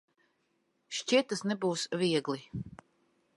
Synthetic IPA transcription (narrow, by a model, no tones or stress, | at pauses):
ʃt͡ʃiɛt̪ːasnɛbuːsvʲiɛɡli